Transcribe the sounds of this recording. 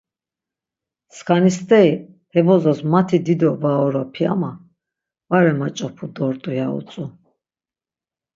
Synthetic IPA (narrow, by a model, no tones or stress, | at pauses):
skʰanist̪ʼɛi | hɛbɔzɔsmat̪ʰid̪id̪ɔvaɔɾapʰia̰ma | vaɾɛmat͡ʃʼɔpʰud̪ɔɾt̪ʼujaṵt͡sʼu